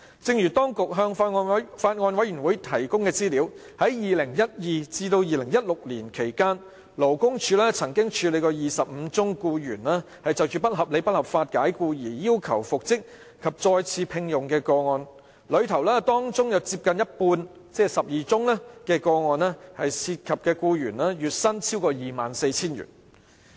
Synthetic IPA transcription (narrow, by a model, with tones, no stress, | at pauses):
t͡sɪ˧ŋjyː˨˩t̪ɔː˥ŋkʊ˨k̚ɦœː˧ŋ˧faː˧t̚ŋɔː˧nwɐ˨˥jːyː˨˩nwuː˨˥jt̪ʰɐ˨˩jkʊ˥ŋkɛː˧t͡siː˥liː˨˥w | hɐ˨˥jjiː˨lɪ˨˩ŋjɐ˥t̚jiː˨˩t͡siː˧t̪o˧wjiː˨lɪ˨˩ŋjɐ˥t̚lʊ˨k̚liː˨˩nkʰe˨˩jkaː˥n | lo˨˩wkʊ˥ŋt͡ʃʰyː˨˧lɛː˥t͡sʰɐ˨˩ŋkɪ˥ŋt͡ʃʰyː˨˧le˨˧jkɔː˧jiː˨sɐ˨p̚m̩˨˧t͡sʊ˥ŋkuː˧jyː˨˩nlaː˥ | hɐ˨jt͡sɐ˨wt͡ʃyː˨˩pɐ˥t̚ɦɐ˨p̚le˨˧jpɐ˥t̚hɐ˨p̚faː˧t̚kaː˨˥jkuː˧jiː˨˩jiː˥wkʰɐ̰˨˩wfʊ˨k̚t͡sɪ˥k̚ | kʰɐ˨p̚t͡sɔː˧jt͡sʰiː˨˧pʰɪ˧ŋjʊ˨ŋkɛː˧kɔː˧ŋɔː˨˧n | lɵ˨˧ɥt̪ʰɐ˨˩wlɛː˥t̪ɔː˥ŋt͡sʊ˥ŋjɐ˨˧wt͡siː˧p̚kɐ˨njɐ˥t̚puː˧n | t͡sɛː˥sɐ˨p̚jiː˨t͡sʊ˥ŋlɛː˥kɛː˧kɔː˧ŋɔː˨˧nɛː˥hɐ˨jsiː˧t̚kʰɐ˨p̚kɛː˧kuː˧jyː˨˩nlɛː˥jyː˨t̚sɐ˥nt͡sʰiː˥wkɔː˧jiː˨˩maː˨nse˧jt͡sʰiː˥njy̰ː˨˩n